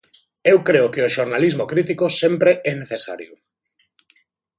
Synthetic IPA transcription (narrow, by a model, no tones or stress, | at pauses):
ewkɾeʊkeoʃoɾnalizmokɾit̪ikosempɾeʔɛneθesa̰ɾjʊ